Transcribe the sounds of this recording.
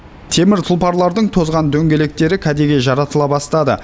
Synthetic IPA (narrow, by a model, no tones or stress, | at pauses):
t̪ʰe̞mɪɾt̪ʰʊlˠpɑɾlˠɑɾd̪əɴt̪ʰo̞zʁɑnd̪ɵŋɡʲe̞le̞k̚t̪e̞ɾɪkʲʰæd̪e̞ɡʲe̞ʒɑɾɑt̪əlˠɑbɑst̪ɑd̪ə̰